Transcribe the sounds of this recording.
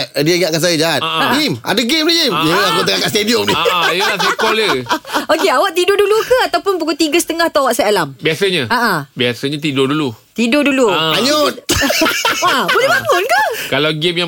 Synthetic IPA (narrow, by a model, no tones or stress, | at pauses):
diəɡaʔkas̬ajəd͡ʒaat̚aɡima̰dəɡemiɡimjəakut̪əŋakaʔst̪ediɔmnijəlas̬ikɔləokeawaʔt̪idodulukəat̪awpʊnp̬ukut̪iɡəsə̥t̪əŋaht̪aawaʔsaalambiasəɲəaʔabiasəɲət̪̬idʊdulut̪idʊduluaɲɔt̪̚ | abolɛhbaŋʊnkəkalawɡimja